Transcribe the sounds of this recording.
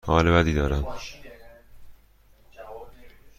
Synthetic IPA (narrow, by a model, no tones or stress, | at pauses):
hɒːlebæd̪iːd̪ɒːɾæm